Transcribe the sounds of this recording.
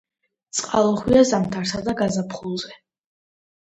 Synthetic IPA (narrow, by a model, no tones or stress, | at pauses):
t̪sʼqʼalˠɔχwiazamt̪ʰaɾsad̪aɡazapʰχulˠzɛ